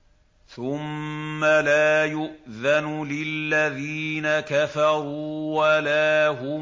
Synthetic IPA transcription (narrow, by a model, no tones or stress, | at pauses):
θʊmːalaːjʊʔðanlɪlːaðiːnakafɑɾuwalaːɦʊ